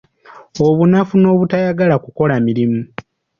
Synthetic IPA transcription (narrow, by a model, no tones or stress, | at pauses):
o̞βunafuno̞ːβutajaɡalakuko̞lamiɾimu